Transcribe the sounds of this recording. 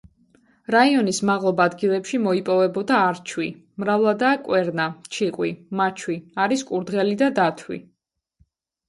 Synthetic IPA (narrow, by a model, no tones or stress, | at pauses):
ɾaiɔnismaʁlˠɔbaːd̪ɡilˠɛpʃimɔipʼɔvɛbɔd̪aːɾt͡ʃʰwi | mɾavlˠad̪akʼwɛɾnat͡ʃʰiqʼwimat͡ʃʰwiaɾiskʼuɾd̪ʁɛlid̪ad̪at̪ʰwḭ